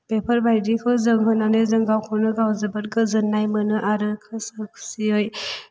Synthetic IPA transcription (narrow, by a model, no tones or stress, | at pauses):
pepʰəɾbajdikʰɯzɯŋɦɯnanɯzɯŋɡawkʰɔwnɯɡawzɯbɯt̚ɡɯzɯnːajmɯnɯʔaɾɯkʰɯsɯkʰsioj